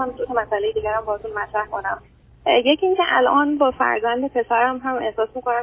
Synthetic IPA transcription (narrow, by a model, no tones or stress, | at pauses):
æmd̪ut̪ʰemæsʔæle̞jed̪iːɡæɾæmbɒhɔt̪ʰunmæt̪ʰɾæhko̞næm | jecʰiiŋcʰeʔæ̰lʔɒːnbɒːfæ̰ɾzænd̪epʰe̞sæɾæmɦæme̞hsɒːsmiko̞næm